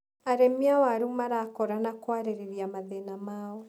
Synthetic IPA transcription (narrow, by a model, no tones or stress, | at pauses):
aɾemiawaɾumaɾakɔɾanakwaɾeɾeɾiamaðenamaɔ